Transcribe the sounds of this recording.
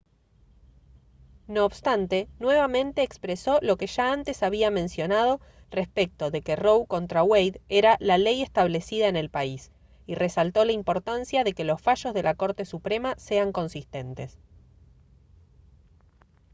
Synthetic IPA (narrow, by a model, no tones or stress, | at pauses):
no̞ːβst̪ant̪e̞nwe̞βamẽ̞nt̪e̞ːkspɾeso̞lo̞ke̞ʒaant̪e̞saβiamẽ̞nsjo̞nað̞o̞ | respek̚t̪oðe̞ke̞ro̞wko̞nt̪ɾawejðeɾalaleje̞st̪aβ̞le̞siðaene̞lpais | ire̞salt̪o̞laimpo̞ɾt̪ansjaðe̞ke̞lo̞sfaʃo̞zð̞e̞lako̞ɾt̪e̞supɾe̞mase̞aŋko̞nsist̪e̞nt̪e̞s